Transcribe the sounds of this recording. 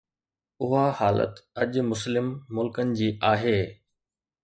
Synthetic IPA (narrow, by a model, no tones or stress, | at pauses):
ʊɦahaːlə̰t̪ɐʄmʊslɪmːʊlkənɪ̆d͡ʑiːʔaːɦeː